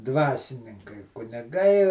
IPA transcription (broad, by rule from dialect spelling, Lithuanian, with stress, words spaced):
ˈdʋɑːsʲɪnʲɪŋkɐɪ kʊnʲɪˈɡɐɪ